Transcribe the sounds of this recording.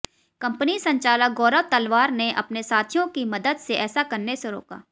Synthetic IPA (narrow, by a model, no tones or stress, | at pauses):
kɐ̃mpnisɐ̃ɲt͡ʃaːlək̚ɡɔːɾəʋ̚t̪ɐlʋaːɾneʔɐ̰pnesaːt̪ʰijõkimɐd̪əd̪seʔɛːsakɐɾneseɾo̰ːka̰ː